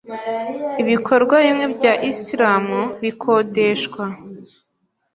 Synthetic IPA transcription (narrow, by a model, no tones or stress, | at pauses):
iβikʰo̞ɾɡwaβimŋe̞bɟaːʔisiɾaːmuβikʰo̞ːdeʃkwa